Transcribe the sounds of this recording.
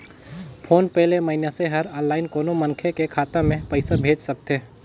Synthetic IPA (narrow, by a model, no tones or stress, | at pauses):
pʰoːnpɛɦleməɦɪnjaseɦɐɾɔ̃ːnlaːɪnkoːnomɐnkʰekekʰaːt̪əmẽpəɪsabʱeːd͡ʒsɐk̚t̪eː